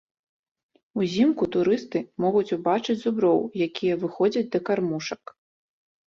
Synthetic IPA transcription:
uzʲimkut̪uɾɨst̪ɨmɔɣut͡sʲubat͡ʂɨd͡zʲzubɾɔwjakʲijɐvɨxɔd͡zʲɐd͡zʲd̪ɐkarmuʂɐk

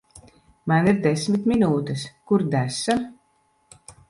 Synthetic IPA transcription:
maniɾd̪esmit̪minuːt̪ɛskuɾd̪æsam

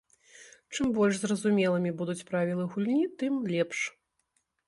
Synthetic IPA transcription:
t͡ʂɨmbɔlʲʂzrɐzumʲɛlˠɨmʲibud̪ut͡sʲpɾavʲilˠɨɣulʲnʲit̪ɨmlʲɛpʂ

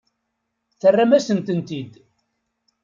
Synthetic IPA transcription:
θərːamæsənt̪ənt̪id̪

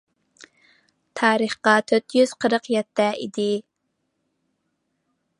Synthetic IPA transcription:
t̪ʰɑːɾəχqɑt̪ʰøt̪jyz̥qʰəɾəqjɛt̪ːɛʔḭd̪ɪ

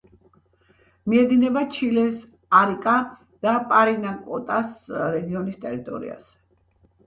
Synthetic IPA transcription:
miɛd̪inɛbat͡ʃʰilɛs | aɾikʼa | d̪̥apʼaɾinakʼɔt̪ʼasɾɛɡiɔnist̪ʼɛɾit̪ʼɔ̰ɾḭa̰z̥ɛ̥

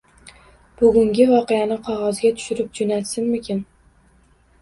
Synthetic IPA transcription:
b̥ʊɡʲʊŋɡʲɪvɒqejanɪqʰɒʁɒzɡʲat̪ʰʊ̥ʃɪɾɪp̚d͡ʒonat̪sɪnmɪkʲɪn

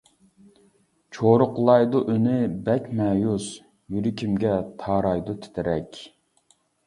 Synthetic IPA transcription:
t͡ʃʰoɾʊqlˠɑjd̪uʔønɪbɛkʲmɛːjus | jyɾykʲʰimɡʲɛt̪ʰɑːɾɑjd̪ut̪ʰɪ̥t̪ʰɪɾɛkʲ

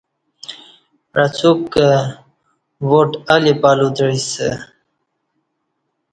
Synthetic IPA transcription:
ɾat͡sʰukːə | woʈalipalud̪ɻisə̰

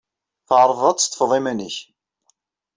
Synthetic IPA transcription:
θəʕɾˤvˤɑt̪ˤst̪ːˤə̥fðˤimænəç

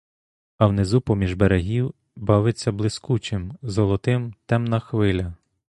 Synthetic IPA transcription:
ɐwnɪzupɔmʲiʒbeɾeɦʲiw | bɑʋɪt͡sʲːɐblˠɪskut͡ʃɪmzɔlˠɔt̪ɪmt̪ɛmnɐxʋɪlʲɐ

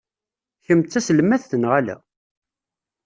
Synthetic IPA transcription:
çəmt̪ːæsəlmæθθənʁælæ̰

